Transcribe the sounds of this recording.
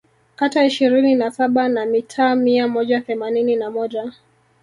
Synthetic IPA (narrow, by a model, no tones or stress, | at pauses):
kataiʃiɾininasaɓanamitʰaːmiamɔʄaθɛmanininamɔʄa